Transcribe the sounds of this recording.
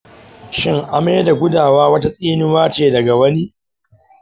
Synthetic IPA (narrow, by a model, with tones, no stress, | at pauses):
ʃɪ˦ŋʔa˨meː˦da˨ɡʷʊ˦daː˨waː˦wɐ˦ta˦sʼiː˦nʊ˦waː˦t͡ʃeː˨dɐ˨ɡa˨wɐ˦ni˦